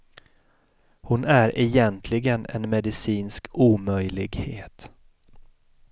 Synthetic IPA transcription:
hʊnæɾʔɛjɛnt̪ʰlɪɡənɛ̰nmɛd̪ɪsiːnskuːmœjlɪɡheːt̪

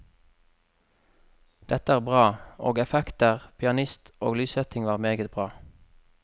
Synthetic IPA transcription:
d̪̥ɛt̪əæːʁbʁɑːo̰ːɡɛfɛkt̪əʁpʰɪɑnɪst̪o̰ːɡlyːsœt̪ɪŋʋɑːʁmeːɡət̪̚bʁɑː

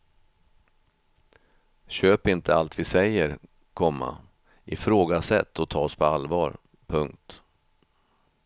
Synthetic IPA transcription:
ɕøːpɪnt̪ʰəalt̪vɪsɛjːəɾ | kʰɔmːa̰ | ʔɪfɾoːɡasɛt̪ʰːɔt̪ʰɑːɔspʰɔalvɑːɾ | pʰɵŋk̚t̪

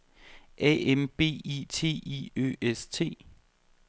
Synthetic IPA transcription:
ʔɛ̰emb̥e̝̰ːit͡sʰe̝̰ːiø̰ːest͡sʰe̝̰ː

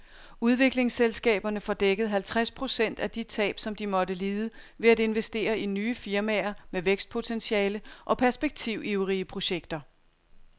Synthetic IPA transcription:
uð̞ˠʋe̝ɡ̥le̝ŋselsɡ̥ɛ̰ːb̥ɐnəfɒ̽d̥eɡ̥əð̞̩ˠɦælt͡sʰʁaspʰʁo̝sen̰d̥æd̥it͡sʰɛ̰ːb̥sɒ̽md̥imɒ̽ɾəliːðˠəʋe̝æde̝nʋesd̥e̝̰ːɐʔinyːəfiɐmæːɐmeʋeɡ̥sd̥̚pʰo̝t͡sʰenɕiɛːləʔɒ̽pʰæɐsb̥e̝ɡ̥̚t͡sʰiʊ̰ʔiʊʁiəpʰʁo̝ɕeɡ̥d̥ɐ

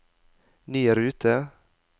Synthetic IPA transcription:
nyːəɾʉːt̪ʰə

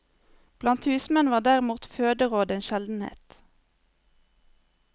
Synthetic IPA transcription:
b̥lɑnt̪hʉːsmɛnʋɑːʁd̪æːʁɪmuːt̪føːd̪əʁoːd̪eːnʃɛld̪n̩hḛːt̪

